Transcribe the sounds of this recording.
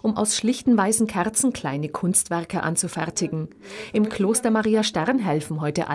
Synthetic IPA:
ʔʊmʔa̰ʊsʃlɪçtn̩vaɪsn̩kʰɛʁt͡sn̩kʰl̥aɪnəkʰʊnstv̥ɛɐkəʔa̰nt͡sufɛɐtʰɪɡŋ̩ʔɪmkl̥oːstɐmaʁiːaʃtɛʁnɦɛlfn̩ɦɔʏtəʔa

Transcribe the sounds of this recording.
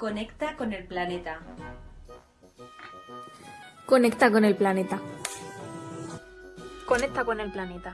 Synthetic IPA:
ko̞nekt̪ako̞ne̞lplanet̪a | ko̞nekt̪ako̞nelplanet̪a | konek̚t̪akone̞lplanet̪a

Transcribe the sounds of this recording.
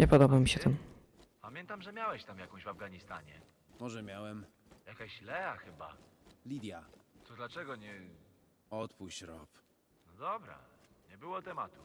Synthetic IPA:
ɲɛpɔd̪ɔbamʲiɕɛt̪ɛm | pamʲjɛnt̪amʐɛmʲjawɛɕt̪amjakɔ̃w̃ʑvavɡaɲist̪aɲɛ | mɔʐɛmʲjawɛm | jakaɕlɛaxɘba̰lʲid̪ʲjaɔd̪lat͡ʂɛɡɔɲɛ | ɔt̪puɕɾɔp | nɔd̪ɔbɾa̰ɲɛbɘwɔt̪ɛmat̪u

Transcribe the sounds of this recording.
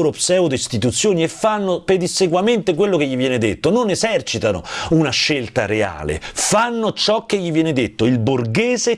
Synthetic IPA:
ɾopsɛːod̪eist̪it̪ut̪sːjoːniefːanːoped̪isekwament̪ek̬welːokeʎːivjɛːned̪et̪ːononezɛrt͡ʃit̪ano̰unaʃːelt̪aɾea̰ːlḛfanːot͡ʃɔkːeʎːivjɛːned̪et̪ːoilburɡeːze

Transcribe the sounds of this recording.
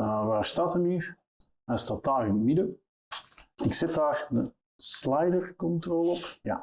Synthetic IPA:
əʋaːstatəmyː | astat̚daːrɪnəmidə | ɪksɪt̚daːɹdə | slɛjdərkɔntroːlˠəɔpja̰

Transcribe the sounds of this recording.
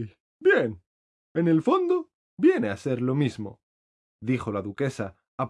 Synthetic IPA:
bjen | ene̞lfo̞nd̪o̞ | bje̞nease̞ɾlo̞mizmo̞̰ | ðixo̞laðuke̞saː

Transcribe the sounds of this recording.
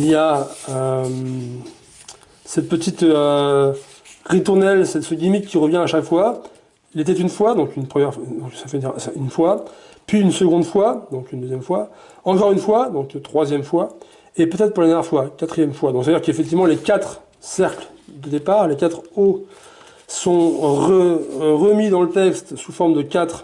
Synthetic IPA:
iljaøm | sɛt̪̚pət̪it̪ø | ʁit̪uʁnɛlsɛt̪səɡʲimikʲʰːiʁəvjɛ̃aʃakfwa | ilet̪ɛt̪ynfwad̪ɔ̃kynpχəmjɛʁd̪ɔ̃ksafɛsynfwapɥiynsəɡɔ̃d̪fwad̪ɔ̃kynd̪øzjɛmfwa | ɑ̃kɔʁynfwad̪ɔ̃k̪t̪χwazjɛmfwa | epøt̪ɛt̪χpuʁlad̪ɛʁjɛʁfwakat̪χijɛmfwad̪ɔ̃ksad̪iʁkefɛk̚t̪ivmɑ̃lekat̪χ | sɛʁkld̪əd̪epaʁlekʲat̪χo | sɔ̃ʁəʁəmid̪ɑ̃lət̪ɛkst̪sufɔʁmd̪əkat̪χ

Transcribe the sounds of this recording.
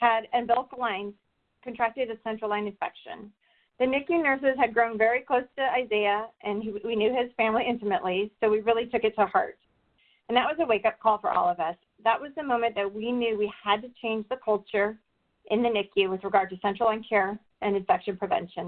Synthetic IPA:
hɨɾɨ̃nbɪlˠəklãɪ̃nz̥ | kɨ̃ntʰɹ̥æk̚tɨɾɨsɛ̃nt͡ʃɹ̥l̩ˠãɪ̃nɨ̃nfɛ̰kʃɨ̰̃n | ðɨnɪkjʉnɜ˞s̬ɨz̥ɨd̚ɡɹõʊ̃nvɛɹikʰl̥oʊstʰɨaɪzeɪɨʔɨ̃nwinjʉɪz̥fæ̃mliɪ̃ntɨmɨʔlisoʊwiɹɪlˠitʰʊkɨtʰəhɑ̰ɹt̚ | ɨ̃n̩ðəʔ̚wʌzɨweɪkʌp̚kʰɔlˠfə̰˞ʔɔ̰lˠʌvʌs | ðəʔ̚wʌzðɨmõʊ̃mɨ̃nðɨt̚winjʉwiəd̚tɨt͡ʃʰẽɪ̃nd͡ʒðɨkʰʌlˠt͡ʃə˞ | ʔɨ̃nðɨnɪkʰjʉwɨðɹɨɡɑɹd̚tɨsɛ̃nt͡ʃɹ̥l̩ˠãɪ̃nkʰɛɹ | ʔɨ̃nɨ̃ɱfɛkʃɨ̃npʰɹ̥ɨvɛ̰̃nʃɨ̃n

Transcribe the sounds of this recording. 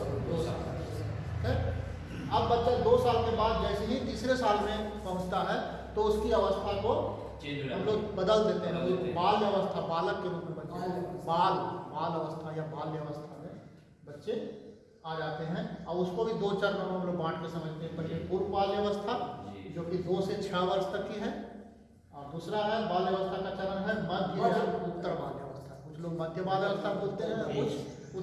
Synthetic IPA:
d̪oːsaːla | kʰɛ | ɐbːɐtːʃad̪oːsaːlkebaːd̪̚d͡ʒɛːseɦit̪iːsɾesaːlmẽpɐ̃ɦʊ̃d͡ʒt̪aɦɛ | t̪oʊskiɐʋəst̪ʰako | ɦɐmloːɡbɐd̪əld̪eːt̪eɦɛ̃oɡbaːljəʋəst̪ʰabaːləkːemot̪mẽbɐnbaːlbaːlɐʋəst̪ʰajabaːlʋjəʋəst̪ʰamẽ | bɐtːʃe | aːd͡ʒaːt̪eɦɛ̃ɔːɾʊskobʱid̪oːt͡ʃaːɾmɐnõmeloːɡbãːʈkesɐməd͡ʒʱt̪eɦɛ̃pɐɾepuːɾbaːlʋjɐʋəst̪ʰad͡ʒoːkid̪oːset͡ʃʰɛʋɐɾst̪ɐkːiɦɛ̃ | ɔːɾd̪uːsɾaɦɛbaːlʋjɐʋəst̪ʰakat͡ʃɐɾənɦɛmɐd̪ʱjəʊt̪ːəɾbaːljɐʋəst̪ʰakʊt͡ʃʰloːɡmɐd̪ʱjəbaːd̪jɐʋəst̪ʰaboːlt̪eɦɛ̃ʊt͡ʃʰ | ʊ

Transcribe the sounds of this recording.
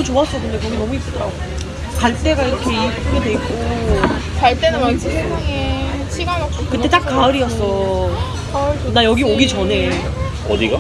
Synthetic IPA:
ut͡ɕoas͈ʌʌnːɯnde̞kʌɡinʌmuip͈ɯd | kaɭt͈e̞ɡaiɾʌkʰe̞iuɡidwe̞ik͈o | kaɭt͈enɯat͡ɕʰisʰeŋaŋeɕʰiɡaɭɡat͡ɕʰokɯt͈e̞t͈ak̚k͈aɯɾiʌs͈ʌ | anajʌɡioɡit͡ɕʌne̞ | ʌd̪iɡa

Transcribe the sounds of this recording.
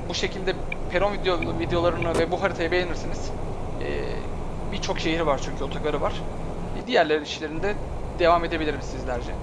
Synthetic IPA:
buʃe̞cʰilʲd̪ɛ | pʰeɾonvid̪vid̪ejo̞lˠaɾɯnɯvɛbuɦaɾit̪ʰajabelʲeniɾsiniz̥ | ɛ̰ː | biɾt͡ʃʰo̞kʃe̞ɦiɾvaɾt͡ʃʰyɲcʰyo̞t̪ʰakaɾɯvaɾ̥ | ɛd̪ijæɾlʲeɾniʃlʲe̞ɾinid̪ɛ | d̪̥e̞vame̞d̪e̞bilʲiɾimsizlʲæɾd͡ʒɛ

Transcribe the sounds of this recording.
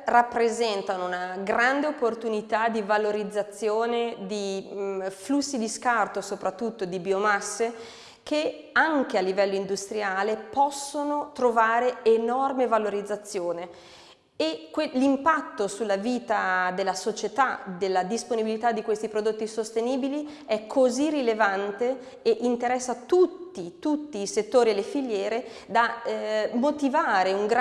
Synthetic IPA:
rapːɾezɛnt̪anounaɡɾand̪eopːort̪unit̪ad̪ivaloɾid̪zːat̪sːjoːned̪i | flusːid̪iskart̪osopɾat̪ːut̪ːod̪ibiomasːe | kʰe | aŋk̟ealːivɛlːoind̪ust̪ɾiaːlepɔsːonot̪ɾovaːɾeːnɔrmevaloɾid̪zːat̪sːjoːne | ekwelimpat̪ːosulːaviːt̪ad̪elːasot͡ʃet̪ad̪elːad̪isponibilit̪ad̪ːikwest̪ipɾod̪ot̪ːisost̪eniːbili | ɛkʰːozirilevant̪e | eʔint̪eɾɛsːat̪ut̪ːit̪ut̪ːiːset̪ːoːɾielefiʎjɛːɾe | d̪a | mːot̪ivaːɾeuŋɡ

